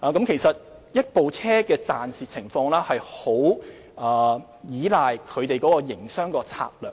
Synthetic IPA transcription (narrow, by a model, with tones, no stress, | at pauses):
ʔaː˨˧kɐ˨˥mkʰe˨˩jsɐ˨t̚ | jɐ˥t̚po˨wt͡sʰɛː˥kɛː˧t͡saː˨nsiː˨t̚t͡sʰɪ˨˩ŋfɔː˧ŋlɛː˥hɐ˨jho˨˥w | ʔɐː˨˩ | jiː˨˥laː˨jkʰɵ˨˧t̪e˨jkɔː˨˥kɔː˧jɪ˨˩ŋsœː˥ŋkɔː˧t͡sʰa̰ː˧k̚lœː˨